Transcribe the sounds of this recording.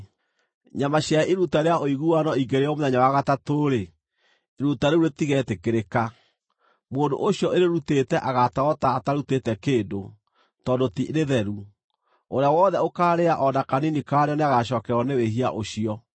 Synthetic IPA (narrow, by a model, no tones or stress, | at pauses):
ɲamaɕjaɛʔiɾutaɾeaʔoiɣuwanɔiŋɡeɾeɔmoðɛɲawaɣatatoːɾeː | ɾutaɾeuɾetiɣɛtekeɾeka | moːndo̰ʔoɕjɔʔeɾeɾutetɛʔaɣataɔtaːtaɾutetɛkeːndo | tɔdotiɾeðɛɾu | oɾeawɔðɛokaːɾeaʔɔnakaninikaːɾeɔneaɣaɕɔːkɛɾɔneweɦia̰ʔoɕiɔ